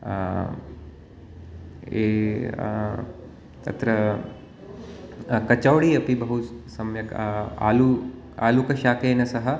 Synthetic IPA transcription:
eː | t̪ɐ̰t̪ɾɐ | kɐt͡ʃɐwɽiɐpibɐɦusɐmjɐka̰ːlu | aːlukɐʃaːkeːnɐsɐɦɐ̆

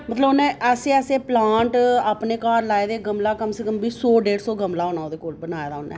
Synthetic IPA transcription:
mət̪ləbnɛ̃ːɛseːɛːseːplaːɳʈaːpneːkaːɾlaːed̪eːɡəmlaːkəmseːkəmbiːsoːɖeːɽsoːɡəmlaːoːnaːoːd̪eːkoːlbənaːjːd̪aːʊnːɛ̰ː

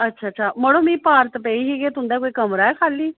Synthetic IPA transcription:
ətːʃʰaːtːʃʰaːməɽõːmĩːpaːɾt̪peːiːɦiːɡeːt̪ʊ̃nd̪aːkoːiːkəmɾaːɛːkʰaːliː

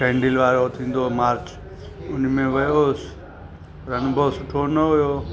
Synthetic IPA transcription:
kẽːɳɖɪlʋaːɾot̪ʰĩːn̆d̪omaːɾt͡ʃ | ʊnmẽʋɐjoːs | ɾɐnʊbʱoʋsʊʈʰoːnəɦʊjoː

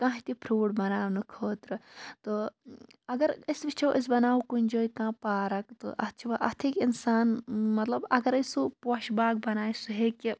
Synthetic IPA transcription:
kãɦit̪ipʰɾoːɽbɐnaːwnɨkʰoːt̪ɾɨt̪o | ɐɡɐɾisʋit͡ʃʰɐwʔis̬bɐnaːukunʲd͡ʒoːikãːpaːɾɐkt̪ɨ̰ʔɐt͡ʃʰiʋaʔɐt̪ʰikinsaːnmɐt̪lɐbɐɡɐɾɐsupoʃbaːɡ̚bɐnaːjsuɦeːki

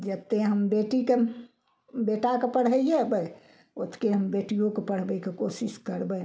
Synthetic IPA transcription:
d͡ʒət̪ːeɦəmbeʈike | beʈakepəɽ̤ɦəiebə | ot̪keɦəmbeʈijõkepəɽ̤bəkekosiskəɾbə

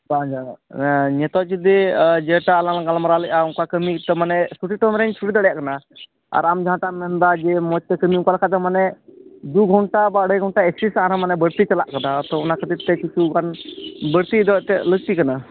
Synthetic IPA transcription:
bãd͡ʒa | ɲɛt̪ɔt͡ʃid̪ɛd͡ʒɛʈaːlanɡalmaɾaləʔauŋkakəmit̪əmanɛsuʈiʈɔmɾɛnt͡ʃʰuʈid̪aɽjaʔkana | a̰ɾamd͡ʒɦãʈamɛnd̪ad͡ʒɛmɔt͡ʃt̪ɛkəmiũŋkalkʰat̪̬əmanɛd̪uɡʱɔɳʈabaɽɛɡʱɔɳʈaeksisãɾãmanɛbəɽt̪it͡ʃalaʔkanat̪ɔunakʰəd̪it̪ɛkit͡ʃʰuɡanbəɽt̪id̪ɔt̪ɛləɡ̚t̪ikana

